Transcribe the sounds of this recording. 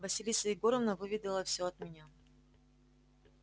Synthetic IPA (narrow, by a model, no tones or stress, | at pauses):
vɐsʲɪlʲisəɪɡo̞ɾəvnəvɨvʲɪd̪ʲɪlˠəfsʲoɐt̪̚mʲɪnʲa